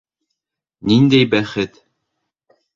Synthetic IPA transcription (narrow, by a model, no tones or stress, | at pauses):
nind̪æjbæχɘt̪